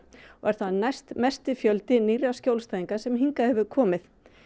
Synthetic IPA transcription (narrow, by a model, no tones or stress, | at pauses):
ɔɛɾ̥θaðnajst̪mɛst̪ɪfjœlt̪ɪniːɾawscowlst̪aːðiŋkasɛmɦiŋkahɛvʏkʰɔːmɪθ